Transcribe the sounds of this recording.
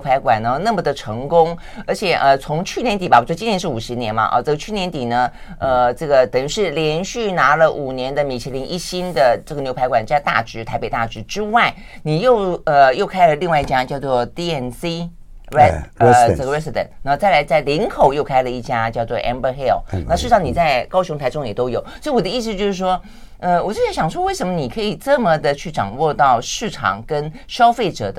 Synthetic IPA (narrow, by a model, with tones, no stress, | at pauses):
pʰa˧˥ɪkwa˨˩nnə˧˦na˥˩mə˩d̪ə˩ʈ͡ʂʰɤ˧˥ŋkʊ˥ŋ | ə˞˧˥t͡ɕʰjɛ˨˩ʔə˧t͡sʰʊ˧˥ŋt͡ɕʰy˥˩njɛ˧˥nt̪i˨˩ba˨˩˨wɔ˥˩˧t͡ɕi˥njɛ˧˥ʂɻ̩˥˩u˨˩ʂɻ̩˧˥njɛ˧˥nbɐ̰˨ʔə̰˧ʈ͡ʂɤ˥˩ɡə˧t͡ɕʰy˥˩njɛ˧˥nt̪i˨˩nə˦ | ə˧ʈ͡ʂɤ˥˩ɡə˩t̪ə˨˩ŋʂɻ̩˥˩ljɛ˧˥nɕy˥˩na˧˥lə˧ʔu˨˩njɛ˧˥nd̪ə˧mi˨˩t͡ɕʰɛ˧˥li˧˥ŋʔḭ˥˩ɕi˥nd̪ə˨ʈ͡ʂɤ˥˩ɡə˩njo˧ʊpʰa˧˥ɪkwa˨˩nt͡ɕjɪt̪a̰˥˩ʈ͡ʂɻ̩˧˥t̪ʰa˧˥ɪpe˨˩ɪt̪a̰˥˩ʈ͡ʂɻ̩˧˥ʈ͡ʂɻ̩˥wa˥˩ɪ | ni˨˩jo˥˩ʊə˧˩jo˥˧ʊkʰa˥ɪlə˨li˥˧ŋwa˥˧ɪi˥˩t͡ɕja˥˧t͡ɕjɑ˥˧ʊt͡swɔ˥˧t̪i˥ɛ˧˩nsi˥ | ə˥˩ɡɹɛ˥si˧d̪ə̰˨˩nna˧˥m˧t͡sa˥˩ɪla˧˥ɪt͡sa˥˩ɪli˧˥nŋkʰo˨˩ʊjo˥˩ʊkʰa˥ɪlə˨i˥˩t͡ɕja˥t͡ɕjɑ˥˧ʊt͡swɔ˥˧˩ʔɛ̰˥nbə˧xe˥˩lna˥˧ʂɻ̩˥˧ʈ͡ʂʰɑ˧˥ŋni˨˩t͡sa˥˧ɪkɑ˥ʊɕʊ˧˥ŋt̪ʰa˧˥ɪʈ͡ʂʊ˥ŋjɛ˨˩t̪o˥ʊjo˨˩˦ʊswɔ˧˥i˧˩wɔ˨˩d̪ə˦i˥˧s̬̩˧t͡ɕjo˥˧ʊʂɻ̩˥˩ʂwɔ˥ | ə˥˧wɔ˨˩t͡ɕo˥˩jɛ˧˥ɕjɑ˨˩ŋʂwɔ˥we˥˩ɪə˧˥nmə˧ni˨˩kʰɤ˧˥i˨˩ʈ͡ʂɤ˥˩mə˨d̪ə˨t͡ɕʰy˥˩ʈ͡ʂɑ̰˨˩ŋwɔ˥˧t̪ɑ˥˧ʊʂɻ̩˥˩ʈ͡ʂʰɑ̰˨˩˦ŋkə˥n | ɕjɑ˥ʊfe˥˩ɪʈ͡ʂɤ̰˨˩d̪ə